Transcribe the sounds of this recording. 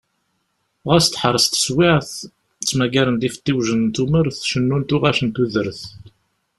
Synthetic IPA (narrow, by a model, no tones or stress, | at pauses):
ʁæst̪ħəɾˤəst̪ə̥swɪʕθ | t͡sːmæɡæɾənd̪ifə̥t̪ːiwʒənt̪uməɾθʃənːunt̪ʊʁæʃənt̪uðəɾθ